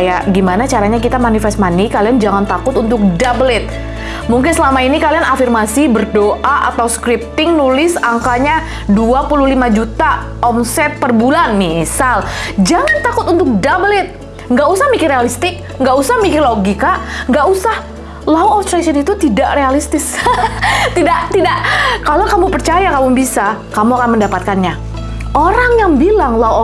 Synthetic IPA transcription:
jaɡimanat͡ʃaɾaɲak̬it̪amanifɛst̪manikaliand͡ʒaŋant̪akʊt̪unt̪ʊk̚dablɛt̪̚ | muŋkɪnsəlamainikalianafirmasibərdoʔaʔa̰t̪awskɾip̚t̪ɪŋnulɪsaŋkaɲa | duapuluhlimad͡ʒut̪a | ɔmsɛt̪̚pərbulanmisald͡ʒaŋant̪akʊt̪unt̪ʊk̚dablɛt̪̚ | ŋɡaʔusahmikɪrealist̪ɪk̚ | ŋɡaʔusahmikɪrloɡikaŋɡaʔusah | lauɔft̪ɾasɔnit̪ut̪idaʔrealist̪ɪs | t̪idaʔt̪idaʔkalokamupərt͡ʃajakamubisakamuakanməndapat̪̚kanɲa | ʔoɾaŋjaŋbilaŋla

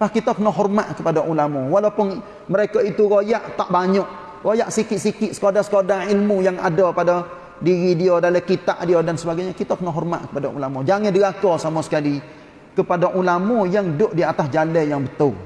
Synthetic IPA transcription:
pahkit̪ɔkənaʔɦɔrmaʔ̪kəpadaʔulamuwalapʊn | məɾekait̪uɾojaʔt̪aʔbaɲɔʔ | ɾojaʔsikɪt̪ʔ̪̚sikɪʔ̪sə̥kodasə̥kodailmujaŋadapada | diɾidiodalakit̪aʔdiodansəbaɡajɲakit̪əkənaʔɦɔrma̰ʔ̪̚kə̥padaʔṵlamud͡ʒaŋandiɡakɔsamasə̥kali | kəpadaʔulamujaŋdʊʔdiat̪asd͡ʒalɛjaŋbət̪ʊ

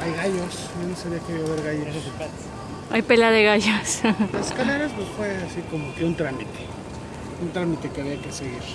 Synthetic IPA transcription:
ajɣaʝos | nonosaβɾiakeajaβeɾɣajoipa | a̰jpelaðeɣaʝoslaskaleɾaznosfweasiko̞mo̞keunt̪ɾamit̪e̥ | unt̪ɾamit̪e̞keaβiake̞seɣiɾ

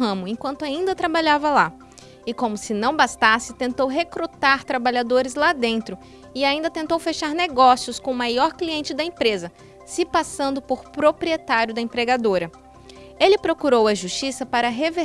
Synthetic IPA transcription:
ɦɐ̃mʊẽkwɐ̃nt̪ʊaĩnd̪ɐt̪ɾabaʎavɐla | ɪkõmʊsɪnɐ̃w̃bast̪asɪt̪ẽnt̪owɦekɾut̪aɾt̪ɾabaʎad̪oɾɪzlad̪ẽnt̪ɾʊ | ɪaĩnd̪ɐt̪ẽnt̪owfeʃaɾneɡɔsiʊskõmajɔɾkliẽnt͡ʃɪd̪ɐẽpɾezɐ | sɪpasɐ̃nd̪ʊpoɾpɾopɾiet̪aɾjʊd̪ɐẽpɾeɡad̪oɾɐ | elɪpɾokuɾowɐʒust͡ʃisɐpaɾɐɦeve

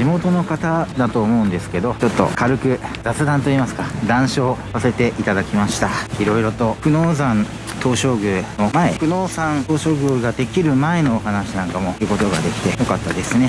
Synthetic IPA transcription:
imo̞t̪o̞no̞kat̪ad̪at̪o̞ːmo̞ɯ̟̃nd̪e̞sɨ̥ke̞d̪o̞t͡ɕo̞t̪ːo̞̰kaɾɯ̟kɯ̟zat͡sɨd̪ãnt̪o̞iːmasɨ̥kad̪ãɰ̃ɕo̞ːsase̞t̪e̞ʔit̪ad̪akʲimaɕi̥t̪aiɾo̞iɾo̞t̪o̞ɸɯ̟no̞ːzãn | t̪ʰo̞ːɕo̞ːɡɯno̞mae̞ɸɯ̟no̞ːsãnt̪o̞ːɕo̞ːɡɯɡad̪e̞kʲiɾɯ̟mae̞noːɦanaɕinãŋkamo̞ɯ̟ko̞t̪o̞ɡad̪e̞kʲi̥t̪e̞jo̞kat̪ːad̪e̞sɨne̞

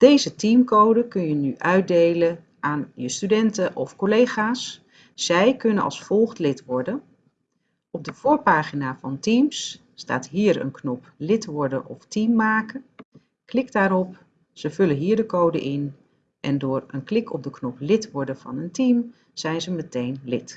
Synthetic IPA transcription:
d̥ejzətimkowdəkɵnjənyʔœɥt̚dejlə | ʔaːnjəstydɛntəʔɔfkolejχaːsː | ɛjkɵnənɑ̰lˠsfɔlˠχtlɪtʋɔɹdən | ʔɔb̚dəv̥uːɹpaːχinaːvɑntimsː | ta̰ːtɦiːɹə̰nknɔplɪtʋɔɹdəʔɔftimːaːkə | klɪkdaːɾɔp | səvɵlənɦiːɹdəkowdəʔɪn | ʔɛndʊːɹənklɪkɔp̚dəknɔplɪtʋɔɹdəv̥ɑ̰nəntim | z̥ɛjnzəmətejnlɪt

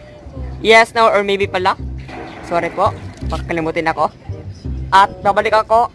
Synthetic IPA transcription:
jɛsnawʔɔɹmɛjbipɐlaŋsoːɾɛpoʔpɐkɐkɐlɪmuːt̪ɪnɐko̞ | ʔɐt̪̚baːbɐlɪkɐko̞

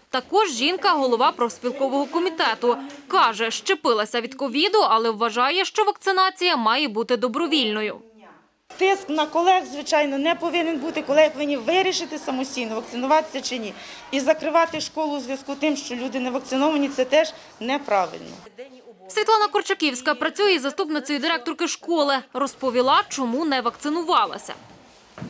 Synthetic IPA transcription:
t̪ɐkɔʒʒinkɐɦɔlˠɔʋɑpɾɔsʲpʲilˠkɔʋɔɦɔkɔmʲit̪ɛt̪ʊkɑʒɛʃt͡ʃɪpɪlˠɐsʲɐʋʲid̪kɔʋʲid̪ʊɐlˠɛwːɐʒɑjɛʃt͡ʃɔʋɐk̚t̪sɪnɑt͡sʲijɐmɑjɛbut̪ɪd̪ɔbɾɔʋʲilʲnɔjʊ | t̪ɪsknɐkɔlˠɛxzʋɪt͡ʃɑjnɔnɛpɔʋɪnenbut̪ɪkɔlˠɛɦipɔʋɪnʲːiʋɪɾʲiʃɪt̪ɪsɐmɔsʲtʲijnɔʋɐk̚tsɪnʊʋɑt̪ɪ̥sʲɐt͡ʃɪnʲi | izɐkɾɪʋɑt̪ɪʃkɔlˠʊzʋʲjɐskut̪ɪmʃt͡ʃɔlʲud̪ɪnɛʋɐk̚tsɪnɔʋɐnʲit̪sɛt̪ɛʒ | nɛpɾɑʋɪ̰lʲnɔ̰ | sʲʋʲit̪lˠɑnɐkɔrt͡ʃɐkʲiwsʲkɐpɾɐt͡sʲujɛzɐst̪upnɪt̪sɔjʊd̪ɪɾɛk̚t̪ɔrkɪʃkɔlˠɪɾɔspɔʋʲilˠɑt͡ʃɔmunɛʋɐkt̪sɪnʊʋɑlˠɐ̰sʲɐ̰

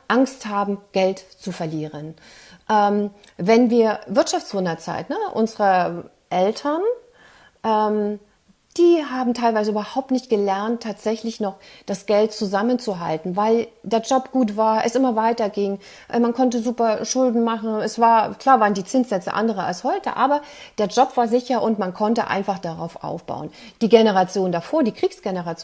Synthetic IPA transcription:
ʔaŋsthaːbm̩ɡ̥ɛltt͡sufɛɐliːʁən | ʔɛːm | vɛnviːɐvɪɐtʃaft͡sv̥ʊnɐt͡sa̰ɪtnəʔʊ̰nzəʁə | ʔɛltʰɐn | ʔɛːm | d̥iːɦaːbm̩tʰaɪlvaɪzəyːbɐhaʊp̚tnɪçt̚ɡ̥əlɛɐntʰːaːtz̥ɛçlɪçnɔχd̥asɡ̥ɛlt̚t͡suzamənt͡suɦa̰ltn̩vaɪldeːɐd͡ʒɔpɡ̥uːtv̥aːɐʔɛ̰sʔɪmɐvaɪtɐɡɪŋ | ʔmankʰɔnt̬əzuːpɐʃʊldn̩maχn̩ɛsv̥aːɐkl̥aːɐvaːʁəndiːt͡sɪnsz̥ɛt͡sə̰ʔa̰ndəʁ̞əa̰lshɔʏtə̰ʔa̰ːbɐd̥eːɐd͡ʒɔpv̥aːɐzɪçɐʔʊntmankʰɔntəʔa̰ɪnfaχd̥aʁa̰ʊfʔa̰ʊfb̥a̰ʊənd̥iːɡenəʁat͡sjoːndafoːɐdiːkʁ̥iːksɡ̥ɛnəʁat͡sj

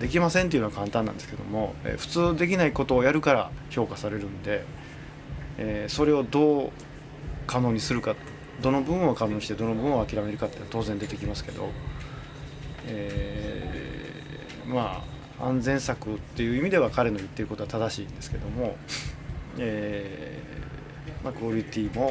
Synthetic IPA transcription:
d̪e̞kʲimasẽnt̪eiɯ̟noakʰãnt̪ãnːã̰nd̪esɨ̥ked̪o̞̰mo̞ḛːɸɯ̟̥t͡sɨːd̪e̞k̬ʲinaiko̞t̪o̞ːjaɾɯ̟kaɾa̰ço̞ːkasaɾe̞ɾɯ̟̃nd̪e̞ | so̞ɾe̞o̞d̪o̞ː | kano̞ːɲ̟isɨɾɯ̟ka | d̪o̞no̞bɯ̟̃ɰ̃o̞kano̞ːɲ̟iɕit̪e̞d̪o̞nobɯ̟̃ɰ̃o̞akʲiɾame̞ɾɯ̟kat̪ːet̪o̞ːzẽnd̪e̞t̪ekʲimasɨ̥ke̞d̪o̞̰ | eː | ma | ã̰nzẽ̞ɰ̃sakɯ̟t̪ːe̞jɯ̟imʲid̪e̞β̞akaɾe̞no̞ɯ̟t̪ːe̞ɾɯ̟kot̪oat̪ad̪aɕiːnd̪e̞sɨ̥ke̞d̪o̞mo̞ | eː | makɯoɾʲit̪ʲiːmo̞

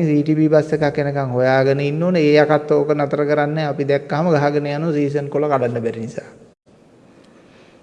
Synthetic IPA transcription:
ŋsiːʈipibasekakːenəkaŋhojaːɡənəinːoːnəeːakat̪ːoːkənat̪əɾəkəɾanːɛːapid̪ɛkːaɦaməɡaɦaɡənəjanosiːs̬ənkolakalanːəbɛɾinisaː

